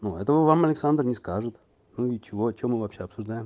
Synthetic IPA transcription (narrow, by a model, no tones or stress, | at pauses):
nuɛt̪əvəvamɐlʲɪksand̪rnʲɪskaʐɨt̪ | nuit͡ɕɪvot͡ɕːomːɨvɐpɕʲeɐpsʊʐd̪ajɪm